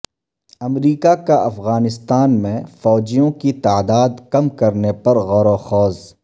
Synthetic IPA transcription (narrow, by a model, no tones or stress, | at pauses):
ɐmɾiːkakaɐfɣaːnɪst̪aːnmẽfɔːd͡ʒijõkit̪aːd̪aːd̪kɐmkɐɾnepɐɾɣɔːɾoxɔːz